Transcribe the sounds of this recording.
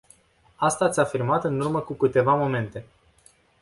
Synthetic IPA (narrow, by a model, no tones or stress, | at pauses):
ast̪aːt̪sʲafirmat̪ɨnurməkukɨt̪e̞vamo̞me̞nt̪e̞